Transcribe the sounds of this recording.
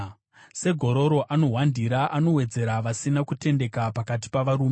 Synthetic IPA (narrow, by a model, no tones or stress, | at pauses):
se̞ɡʱo̞ɾo̞ɾo̞ʔano̞ɦwandiɾaʔano̞we̞d͡ze̞ɾaʋasinakute̞nde̞kapakat̬i̥paʋaɾuːme